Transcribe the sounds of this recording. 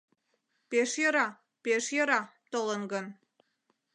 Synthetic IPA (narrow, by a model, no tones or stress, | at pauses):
peʃjəɾɑ | peʃjəɾɑt̪olənɡən